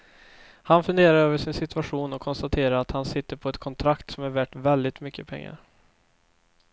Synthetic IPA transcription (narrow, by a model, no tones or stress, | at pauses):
hanfɵnd̪eːɾaɾøːvəʂɪnsɪt̪ɵaɧuːnɔkʰːɔnst̪at̪ʰeːɾaɾat̪hansɪt̪ːəɾpʰɔɛt̪kʰɔnt̪ʰɾakt̪sɔmæɾvæʈvɛld̪ɪt̪mʏkːəpʰɛ̰ŋːa̰ɾ